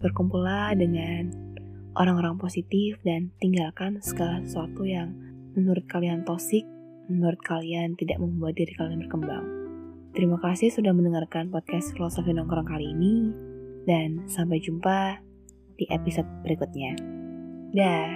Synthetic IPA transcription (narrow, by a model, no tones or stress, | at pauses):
bərkumpuladəŋan | ʔo̰ɾaŋoɾaŋposit̪ɪfdant̪iŋɡalkansə̥ɡalahəsuat̪ujaŋ | mənuɾʊt̪̚kaliant̪osɪk̚ | mənuɾʊt̪̚kʰaliant̪idaʔməŋmuat̚diɾikalianbərkəmba̰ŋ | t̪əɾimakasɪhsudahmənəŋarkanpɔt̚kɛsklasafinɔŋkuɾaŋkaliːni | dansampajd͡ʒumpa | d̥iʔepisot̪̚b̥əɾikut̪̚ɲa | da